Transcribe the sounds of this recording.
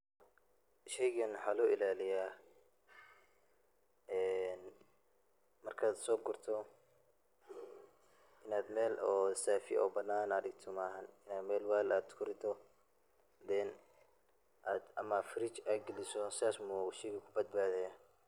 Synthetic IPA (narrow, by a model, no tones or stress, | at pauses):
ʃɛjɣɐnwħaːlʊɪlaːlɪjaː | ɛːn | mɐrkʰaːd̪sɔːɡʊrt̪ʰɔ | ɪnaːd̪mɛːlɔːsaːfɪ̰ʔɔ̰ːbɐnːaːnɐðɪɡ̚t̪ʰɔmaːɦɐnɪnaːmɛːlwaːlaːd̪kʰʊɾɪt̪ʰɔ | d̪ɛn | ʔaːd̪ɐmaːfɪɾɪt͡ʃaːɡɪlɪsɔsɪaːsmuʃɛjɣɐkʰʊbɐd̪̚baːðɛjaː